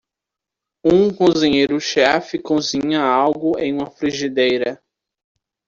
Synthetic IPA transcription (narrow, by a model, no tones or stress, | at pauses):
ũkõzĩɲejɾʊʃɛfɪkõzĩɲɐawɡʊẽj̃ũmɐfɾiʒid̪ejɾɐ